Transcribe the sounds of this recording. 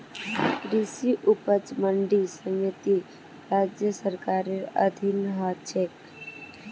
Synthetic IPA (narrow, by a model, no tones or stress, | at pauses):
kɾisiʔupət͡sməɳɖisə̃ŋjət̪i | ɾad͡ʒjəsəɾkaɾeɾə̰d̪ʱinɦat͡ʃʰek